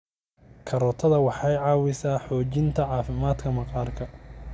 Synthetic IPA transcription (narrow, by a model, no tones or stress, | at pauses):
kʰɐɾɔt̪ʰɐðɐwɑħɑjʕɑːwɪsaːħɔːt͡ʃɪnt̪ʰɐʕɑːfɪmaːd̪kʰɐmɐqʼɑːrkʰɐ